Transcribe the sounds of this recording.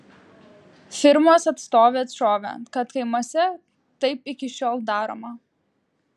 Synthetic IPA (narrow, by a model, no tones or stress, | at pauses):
fʲɪɾmoːsɐt̪st̪oːʋʲeːɐt̪ʃoːʋʲḛkɐt̪kɐɪmoːsʲɛ | t̪ɐɪpɪkʲɪʃʲoːlˠd̪ɑːɾo̰ːmɐ